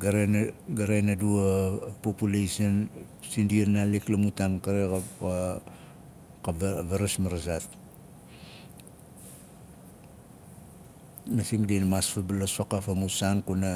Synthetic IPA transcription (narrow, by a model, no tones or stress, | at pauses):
ɡaɾeɡaɾenaduapopulejsion | sindienaliklamutankaɾeka | kabeɾasmaɾasat | masiŋdinmaspabalasakafamusankuna